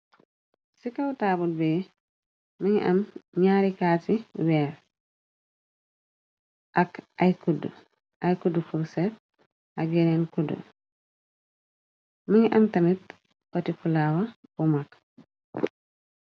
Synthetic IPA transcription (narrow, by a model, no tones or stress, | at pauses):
sikawtaːbulbɛː | miɲʔamɲaːɾikaːtiwɛːɾ | ʔakajkud | ʔajkudufuɾsɛt̚ | aɡɛnɛnkudə̰ | miɲʔamtanit̚ | kɔtifulaːwabumak